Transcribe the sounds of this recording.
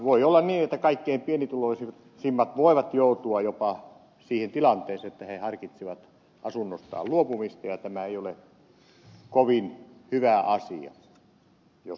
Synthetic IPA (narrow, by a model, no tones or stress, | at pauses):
ʋoiolːɑnniːnet̪ːækɑikːeimpienit̪uloisi | simːɑt̪ʋoˑiʋɑt̪joˑut̪uɑjopɑ | siːhent̪ilɑnt̪eːseet̪ːæhehɑrkit̪siʋɑt̪ | ʔɑsunːost̪ɑ̰ːlluopumist̪ɑjɑt̪æmæeijole | koʋinhyʋæɑsiɑ̰ | jos